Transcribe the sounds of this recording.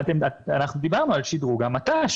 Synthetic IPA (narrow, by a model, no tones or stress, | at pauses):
t̪emaanaχnud̪ibaʁnualʃid̪ʁuɡamat̪aʃ